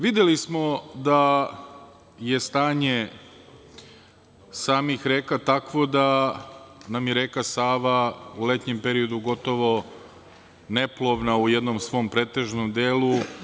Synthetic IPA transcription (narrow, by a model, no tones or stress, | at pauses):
ʋid̪je̞lismo̞d̪a | je̞st̪aːɲe̞ | saːmixɾeːkat̪akʋo̞d̪a | namjeɾeːkasaːʋaule̞t̪ɲe̞mpe̞ɾio̞d̪uɡo̞t̪o̞ʋo̞ | neplˠo̞ʋnaujed̪no̞msʋo̞ːmpɾeːt̪e̞ʒnomd̪eːlu